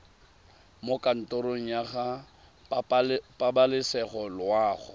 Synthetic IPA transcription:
mokʼan̩tʼoɾoŋ̩jaɣa | pʼabalɪsɛχɔlwaːχʊ̰

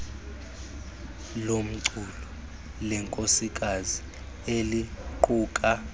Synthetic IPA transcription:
lom̩ǀulɔ | lɛŋkʼosik̬ʼazi | eliǃuːkʼa

